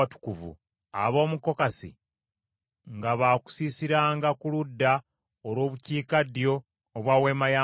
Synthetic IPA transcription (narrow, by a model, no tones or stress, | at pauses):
atu̥kuvṵ | a̰βo̞ːmuko̞kasḭ | ŋɡaβaːku̥siːsiɾaːŋɡakuludːa | olwo̞ːβuciːkadijo̞ː | βwawe̞ːmajaː